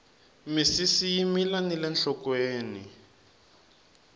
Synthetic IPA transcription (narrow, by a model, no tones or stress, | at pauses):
misisijimilanilɛnɬɔkweːnḭ